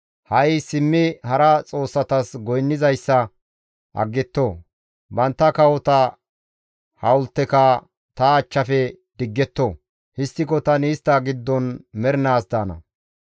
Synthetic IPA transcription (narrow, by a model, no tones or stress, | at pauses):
hɐjsɪmːɪhɐɾɐt͡sʼo̞ːsːɐt̪ɐsɡɔjnːɪzɐjsːɐ | ʔɐ̰ɡːɛt̪ːoː | bɐnt̪ːɐkɐwɔt̪ɐ | hɐwʊlt̪ːɛkɐ | t̪ɐːt͡ʃːɐfɛd̪̥ɪɡːɛt̪ːo | hɪst̪ːɪkɔt̪ɐnɪːst̪ːɐɡɪd̪ːɔnmɛɾɪnaːsd̪aːnɐ̰